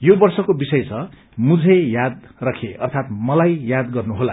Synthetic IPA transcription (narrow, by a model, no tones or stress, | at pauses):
jobʌrsʌkobisʌjt͡sʰʌ | mud͡zʱejad̪̚ | rʌkʰeʌ̰rt̪ʰat̪mʌlajjad̪ɡʌrnuɦola